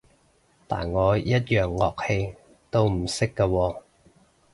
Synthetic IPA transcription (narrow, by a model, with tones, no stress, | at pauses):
t̪a̰ː˨˩nŋɔː˨˧jɐ˥t̚jœː˨˩ŋːɔː˨k̚he˧j | t̪o˥wm̩˨˩sɪ˥kːaː˧wɔː˧